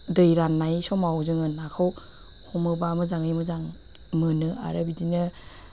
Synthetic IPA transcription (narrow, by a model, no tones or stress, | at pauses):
dɯjɾanːajsɔmawzɯŋɯnakʰɯw | hɔmɯbamɯzaŋɯjmɯzaŋ | mɯnɯa̰ɾɯbidinɯ